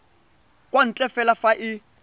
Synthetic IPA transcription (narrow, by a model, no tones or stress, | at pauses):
kʼwan̩t͡ɬʼɛfɛlafaʔɪ